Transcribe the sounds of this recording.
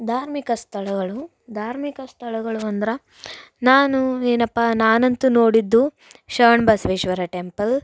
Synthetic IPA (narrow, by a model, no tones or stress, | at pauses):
d̪ʱaːɾmikɐst̪ʰɐɭɐɡɐɭu | d̪ʱaːɾmikɐst̪ʰɐɭɐɡɐɭuɐnd̪ɐɾɐ | naːnueːnɐpːanaːnɐnt̪uno̞ːɽid̪ːu | ʃɐːɳbɐsʋeːʃʋɐɾɐʈempɐl